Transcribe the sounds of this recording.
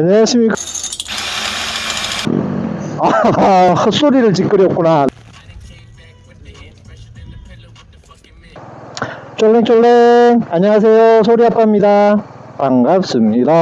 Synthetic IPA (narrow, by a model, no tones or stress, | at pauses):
neɕʰimik | a | ʌs͈oɾiɾɯɭt͡ɕik͈ɯɾjʌk̚k͈una | t͡ɕ͈ʌɭːeŋt͡ɕ͈ʌɭːeaɲʌŋas̬ʰe̞josʰoɾiɦap͈amɲidapaŋɡap̚s͈ɯmɲida